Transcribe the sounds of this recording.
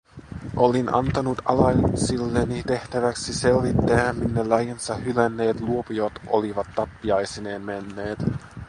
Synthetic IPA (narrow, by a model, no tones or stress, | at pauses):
ʔolinɑ̰nt̪ɑnut̪ɑlɑsilːenit̪e̞ht̪æʋæksise̞lʋit̪ːææmminːelɑjensɑhylænːe̞ːt̪luopujot̪ʔo̰liʋɑt̪ːɑpːiɑjsineːnmenːe̞ːt̪